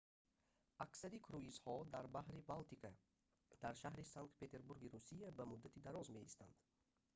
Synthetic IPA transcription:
aksaɾikʰɾuizhɔd̪aɾbaɦɾibalt̪ikʰa | d̪̥aɾʃaɦɾisaŋkt̪̚pʰe̞t̪ʰe̞ɾbuɾɡiɾusijabæmud̪ːat̪ʰid̪aɾɔzme̞ist̪and̪̥

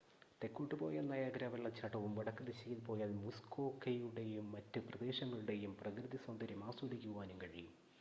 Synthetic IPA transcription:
t̪e̞kːuʈːɨpo̞ːjenːɐjaːɡɾaːʋɐɭːɐt͡ɕɐʈːɐʋumʋɐɽɐkːɨd̪ɐɕikʲːilpo̞ːjɐðɨmuskoːkːejuɽe̞jumːɐtːɨprɐd̪e̞ːɕɐŋːɐɭuɽe̞jumprɐkrɨðisɐnd̪ɐɾimaːsuuɽikʲːuɣuʋaːnumkɐɻijum

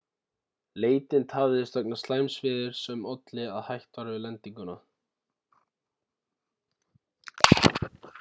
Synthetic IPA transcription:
leːjt̪ɪnt̪ʰaːvðɪðɪst̪œknḁst̪laːjmsvɪːðɪɾ̥sɛmɔt̪lɪaðhajht̪vaɾvɪlɛnt̪iŋkʏna

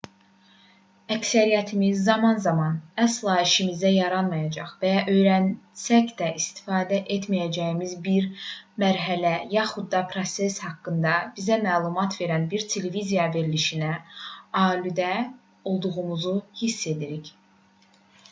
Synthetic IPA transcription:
æcsæɾijæt̪ʰimizːɑmɑnzɑmɑnæslˠɑiʃimizæjɑɾɑnmɑjɑd͡ʒɑχvæjɑʔø̞jɾænsæcd̪æʔist̪i̥fɑːd̪æʔe̞t̪ʰmijæd͡ʒæjimizbiɾmæɾɦælæjɑχud̪ːɑpʰɾo̞se̞shɑkːɯnd̪ɑb̥izæmæːlˠumɑt̪ʰve̞ɾænbiɾt̪ʰe̞levizijɑve̞ɾiliʃinæɑːlid̪æ | o̞lˠd̪uʁumuzuhisːe̞d̪iɾiç

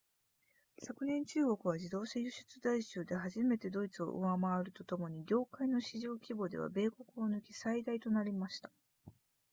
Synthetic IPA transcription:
sakɯ̟nẽ̞ɲ̟t͡ɕɨːɡo̞kɯ̟β̞ad͡ʑid̪o̞ːɕajɯɕɨ̥t͡sɨd̪aiɕɨːd̪e̞ɦaʑime̞t̪e̞d̪o̞it͡sɨo̞̰ʔɯ̟̰amaaɾɯ̟t̪o̞t̪o̞mo̞ɲ̟iɡʲo̞ːkaino̞ɕiʑo̞ːkʲibo̞d̪e̞̰β̞a̰be̞ːko̞kɯ̟onɯ̟kʲi̥said̪ait̪o̞naɾʲimaɕi̥t̪ḁ

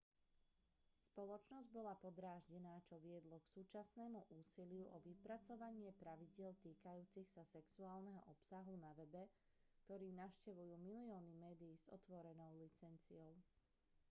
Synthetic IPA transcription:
spɔlɔt͡ʃnɔzɟbɔlapɔd̪ɾaːʒɟɛnaːt͡ʃɔʋɪɛd̪lɔksuːt͡ʃasnɛːmuʔuːsilɪuʔɔʋipɾat͡sɔʋaɲɪɛpɾaʋiɟɪɛlt̪iːkajuːt͡sixsasɛksuaːlˠnɛɦɔ̰ʔɔpsaɦunaʋɛbɛ | kt̪ɔɾiːnaʊʃcɛʋujuːmiliɔːnimɛːd̪ijːz̥ɔ̰t̪ʋɔɾɛnɔʊlit͡sɛnt͡siɔʊ

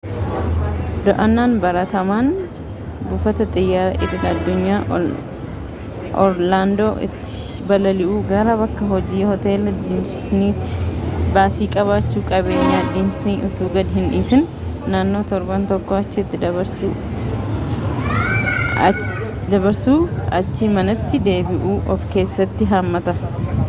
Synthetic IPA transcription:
d̪ɔʔɐnːaːnbɐɾɐt̪ɐmaːn | bʊfɐt̪ɐt̪ʼɪjːaːʔɪd̪ɪnɐd̪ːʊɲːaː | ʔɔɾlaːnd̪oːʔɪ̰t̪ːɪ̥ | bɐlɐlɪʔuːɡɐɾɐbɐkːɐɦɔd͡ʒiːhɔt̪e̞ːlɐd̪ɪmsɪsniːt̪ːɪ̥baːsiːkʼɐβaːt͡ʃːuːkʼɐβe̞ːɲːaːd̪ɪmsniːʔʊt̪uːɡɐd̪ɪɦɪniːsɪn | naːnːo̞ːt̪ɔɾbɐnt̪ɔkːoɐt͡ʃːɪɪt̪ːɪd̪ɐβɐɾsuː | d̪ɐbɐɾsuːɐ̰t͡ʃːimɐnɐt̪ːɪd̪e̞ːbɪʔuːʔɔfke̞ːsːɐt̪ːɪɦamːɐt̪ɐ

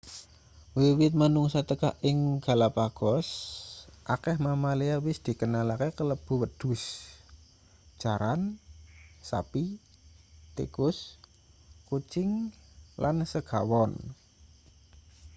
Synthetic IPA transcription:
wiwɪt̪̚manuŋsat̪əkaʔɪŋɡ̥a̤lapaɡ̥ɔs | ʔakɛhmamaleawɪsd̪̥i̤kənalakekələb̥ṳwəd̪̥ṳs | ʒ̥a̤ɾan | sa̰pi | t̪ḛkʊs | kut͡ʃɪŋlʔansəɡ̥a̤wɔn

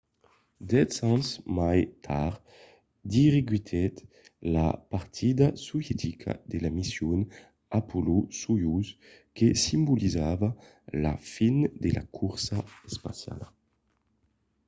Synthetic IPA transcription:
d̪ɛt̪sanzmajt̪ʰaʁ | d̪iʁeɡɥit̪ʰɛt̪ | la̰paʁt̪ʰid̪asuvjɛt̪ʰikʰa̰d̪elamisjun | apʰolusujus | kesimbulʔizava | la̰find̪ela̰kʰuɾsaɛspa̰sja̰la

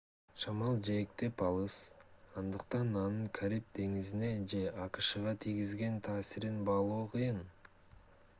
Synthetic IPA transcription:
ʃɑmɑlˠd͡ʒek̚t̪e̞pɑlˠɯsɑnd̪ɯq̚t̪ɑnɑnɯɴkʰaɾip̚d̪e̞ŋizine̞d͡ʒe̞ʔɑqɯ̥ʃɯʁɑt̪ʰijɡizɡe̞nt̪ʰɑːsiɾinbɑlˠuːqʰɯjɯn

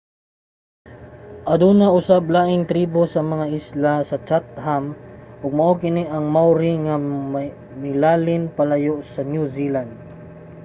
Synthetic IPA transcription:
ʔɐd̪uːnaʔʊsab̚laːʔɪŋt̪ɾiːbosɐmɐŋaʔɪslasɐt͡ʃat̪̚hamʔʊɡ̚mɐʔokɪniʔɐŋmawɾɪŋa | mɪlaːlɪnpalajoʔsɐnjuziland̪̚

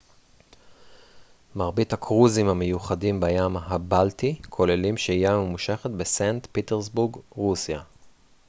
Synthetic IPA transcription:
maʁbithakʰʁuzimhamejuχadimbajamɦabaltikʰo̞lelimʃeijamemuʃeχatbesantpiteʁs̬buɡʁusja

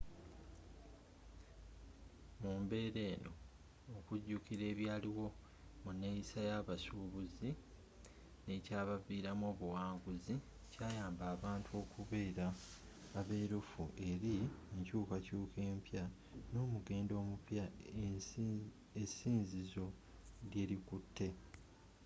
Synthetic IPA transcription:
muːmbe̞ːɾe̞ːno̞ː | kuɟːukiɾe̞ːβjaːliwo̞ | muneisajaβasuːβuzi | ne̞caːβaviːɾamo̞ːβuwaːŋɡuzi | caːjaːmbaːβaːntʰuo̞ːkuβe̞ːɾaː | βe̞ːɾufuʔe̞ɾieɲcuːkacuːkʰe̞ːmpja | no̞ːmuɡe̞ːndo̞ːmupja | esiːnzizo̞ | ɾje̞ɾikutʰːe̞

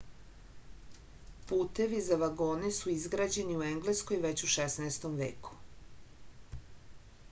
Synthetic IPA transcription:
puːt̪e̞ʋizaʋaɡo̞ːnesuizɡɾad͡ʑe̞niue̞ŋɡlesko̞jʋe̞t͡ɕuʃesnaest̪omʋḛːku̥

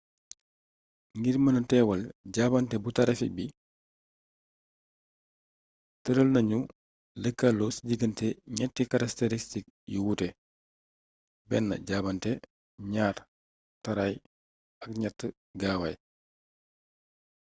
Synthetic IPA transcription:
ŋɡiɾmɐnɐtɛːwɐlɟaːbɐntɛbutɐɾɐfḭk̚bi | təɾəlnɐɲu | ləkːalːɔsəɟiɡəntɛɲɛtːikɐɾɐkteɾistik̚ | juwutɛ | bɛnːɐ̰ɟaːbɐntɛ | ɲaːr | tɐɾaj | ɐk̚ɲɛtːə | ɡaːwɐj

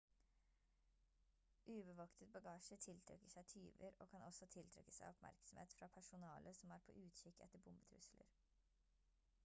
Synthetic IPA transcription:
ʔʉːbəʋɑkt̪ʰət̪̚bɑɡɑːʃət̪ʰɪlt̪ʰɾɛ̰kːəʂæɪt̪ʰyːʋəɾo̰ːkʰɑnɔsɔt̪ʰɪlt̪ʰɾɛ̰kːə̥sæɪɔpmæ̰ɾksɔm̩hḛːt̪fɾɑpʰæʂʊnɑːlʔəsɔmæːɾpʰo̰ːʔʉːt̪çʏkɛ̰t̪ːəɾbʊmbət̪ʰɾʉ̰slə̰ɾ

